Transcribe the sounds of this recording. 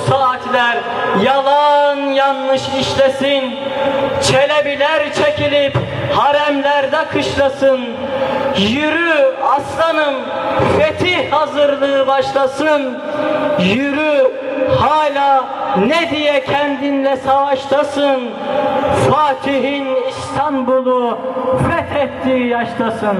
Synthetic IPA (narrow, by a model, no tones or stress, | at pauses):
saːt̪ʰlʲæɾ | jalˠanjanːɯʃiʃlʲesin | t͡ʃʰelʲebilʲæɾt͡ʃʰecʰilʲip | haɾæmlʲæɾd̪ɛkʰɯʃlˠasɯn | jyɾyaslˠanɯn | fet̪ʰihhazɯɾlˠɯːbaʃlˠasɯn | jyɾyhaːlʲaː | nɛd̪ijɛcʰɛnd̪inlɛsavaʃlˠasɯn | faːt̪ʰiɦinist̪ʰanbulˠufɛt̪ʰɛt̪ːiːijaʃlˠasɯn